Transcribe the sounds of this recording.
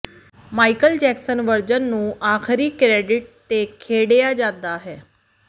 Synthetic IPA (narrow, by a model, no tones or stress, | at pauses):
maikəld͡ʑɛksənʋəɾd͡ʑənːũːʔaxʰɾiːkɾeɖiʈ̚t̪ekʰeɽjad͡ʑad̪aːɦe